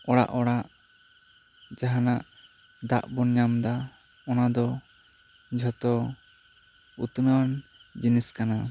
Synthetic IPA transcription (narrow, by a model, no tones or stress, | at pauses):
ɔɽa̰ʔɔɽaʔ | d͡ʒaɦanaʔd̪a̰ʔbɔnɲamd̪aɔnad̪ɔ | d͡ʒʱɔt̪ɔ | ut̪nand͡ʒiniskana